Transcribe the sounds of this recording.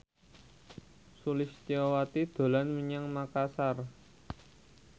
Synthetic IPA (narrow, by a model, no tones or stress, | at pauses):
sulɪst̪iɔwat̪id̪̥o̤lanməɲaŋmakasar